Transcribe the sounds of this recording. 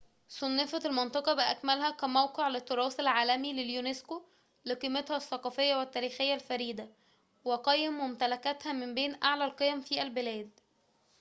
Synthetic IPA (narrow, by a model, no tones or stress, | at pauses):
sˤonːefɑlmɑnt̪ˤɑqɑbɪʔækmælhækæmæwqeʕlet̪ːoɾˤɑːsælʕaːlæmileljunesko | leqiːmet̪hæθːɑqɑːfejːæwæt̪ːæːɾiːxejːælfæɾiːd̪æ | weqɑjːɪmːʊmt̪ælækæt̪hæmɪmbeːnʔaʕlælqejæmfiːʔælbɪlæːd̪̚